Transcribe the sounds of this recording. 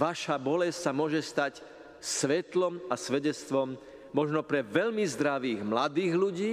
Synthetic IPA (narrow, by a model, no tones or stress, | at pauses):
ʋaʃabɔlɛssamʊɔʒɛst̪ac | sʋɛt̪lɔmasʋɛɟɛt͡st̪ʋɔmː | ɔʒnɔpɾɛʋɛʎmizd̪ɾaʋiːɣmlad̪iːɣluɟiː